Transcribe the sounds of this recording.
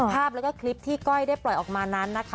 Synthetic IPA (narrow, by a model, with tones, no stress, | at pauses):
pʰaː˥˩p̚lːɛ˦˥kɔː˥˩kʰli˦˥p̚t̪ʰiː˥˩kɔ˥˩jdaː˥˩jplɔ˨˩jʔɔː˨˩k̚maː˧na˦˥nːa˦˥kʰa˦